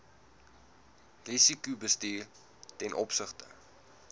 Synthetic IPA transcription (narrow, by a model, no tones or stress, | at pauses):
risikubəstiːr | tɛnʔɔpsəχtə̰